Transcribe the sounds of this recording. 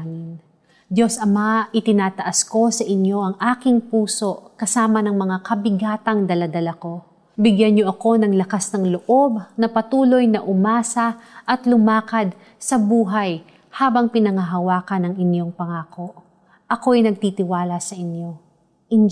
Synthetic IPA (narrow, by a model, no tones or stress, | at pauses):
mɪn | d̪jo̞sʔɐmaɪt̪ɪnaːt̪ɐʔasko̞sɐʔɪnjo̞ʔɐŋʔaːkɪŋpuːso̞ʔkɐsaːmɐnɐŋmɐŋakɐbɪɡaːt̪ɐŋd̪ɐlad̪ɐlɐko̞ | bɪɡjanɲoʔɐko̞nɐŋlɐkasnɐŋloʔo̞bnɐpɐt̪uːlo̞jnɐʔʊmaːsɐʔɐt̪lʊmaːkɐd̪̚ | sɐbuːɦaj | haːbɐŋpɪnɐŋɐɦɐwaːkɐnɐŋɪnjo̞ŋpɐŋaːko̞ʔ | ʔɐko̞ʔɐjnɐɡ̚t̪it̪ɪwaːlɐsɐʔɪnjo̞ | ʔɪn